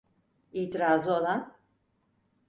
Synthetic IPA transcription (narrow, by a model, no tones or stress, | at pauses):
iːt̪ʰiɾaːzɯo̞lˠan